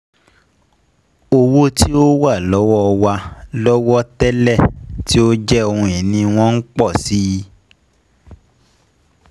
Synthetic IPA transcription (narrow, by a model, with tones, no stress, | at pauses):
o˧wo˦tʰi˦o˦wa˦˨lɔ˨˦wɔ˦˧wa˧lɔ˦wɔ˦tɛ˦lɛ˦˨ti˦o˦d͡ʒɛ˦o˧hũ˧ɛ˨nĩ˧w̃ɔ̃˦n̩˦k͡pɔ˦˨si˦i˧˦